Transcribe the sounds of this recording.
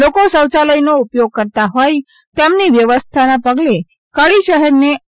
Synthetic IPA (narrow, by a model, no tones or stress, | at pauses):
lokosəwt͡ʃaləjnoʊpjoɡ̚kəɾt̪aɦoj | t̪emniʋjəʋəst̪ʰanapəɡle | kəɭiʃəɦɛɾne